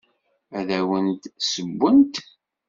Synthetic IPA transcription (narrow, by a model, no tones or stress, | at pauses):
æðæwənt̪səbʷːənt̪